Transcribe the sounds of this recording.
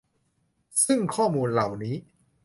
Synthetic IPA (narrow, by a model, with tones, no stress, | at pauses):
sɯ˥˩ŋkʰɔː˥˩muː˧nla˨˩wniː˦˥